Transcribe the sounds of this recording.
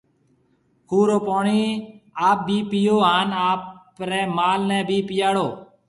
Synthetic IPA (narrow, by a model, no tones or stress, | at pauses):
kuːɾoːpoːɳiːaːp̚biːpɪjoːɦaːnaːp | ɾɛːmaːlnɛ̃ːbiːpɪjaːɽoː